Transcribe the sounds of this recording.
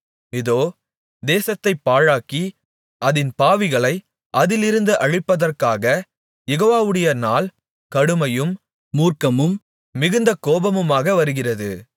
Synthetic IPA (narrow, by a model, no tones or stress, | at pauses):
ɪðoː | d̪eːsɐt̪ːɐɪpːaːɻaːki | ʔɐðɪnpaːʋɪɣɐɭɐɪ | ʔɐðɪlɪɾɯnd̪ɯʔɐɻɪpːɐðɐrkaːɣɐ | jɛɣoːʋaːʋɯɽɐjɐnaːl | kɐɽɯmɐjɯmː | uːrkɐmɯmː | ɪɣɯnd̪ɐkoːbɐmɯmaːɣɐʋɐɾɯɣɪrɐðɯ̰